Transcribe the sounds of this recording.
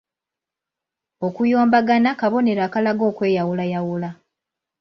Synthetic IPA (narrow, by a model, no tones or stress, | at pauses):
o̞kujo̞ːmbaɡanakaβo̞ne̞ɾaːkalaɡo̞ːkwe̞ːjawulajawula